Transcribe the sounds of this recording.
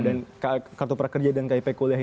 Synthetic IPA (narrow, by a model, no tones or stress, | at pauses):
dankakart̪upəɾakərd͡ʒadankaipɛkoliaɦi